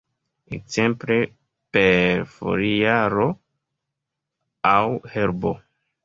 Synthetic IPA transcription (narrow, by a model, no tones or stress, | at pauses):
ḛkze̞mple̞ | peɾfo̰ɾiaɾo̞ | awheɾbo̰